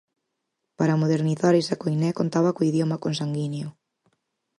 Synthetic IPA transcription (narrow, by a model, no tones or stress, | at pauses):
paɾɐmoðeɾniθaɾesɐkojnɛkont̪aβɐkoiðjɔmɐkons̬aŋɡineo